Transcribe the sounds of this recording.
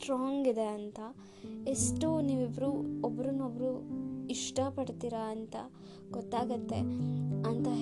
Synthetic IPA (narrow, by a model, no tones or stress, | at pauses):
ʈɾaːŋɡid̪e̞ɐnt̪ɐ | esʈuniːʋibɾuobɐɾunobɾuiʂʈɐpɐɽt̪iːɾɐːnt̪ɐ | ɡ̥ɔt̪ːaːɡɐt̪ːe̞ɐnt̪ɐ